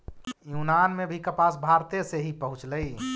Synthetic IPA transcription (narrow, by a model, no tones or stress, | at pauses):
junanmebʱikəpasbʱaɾt̪eseɦipəɦũt͡ʃləj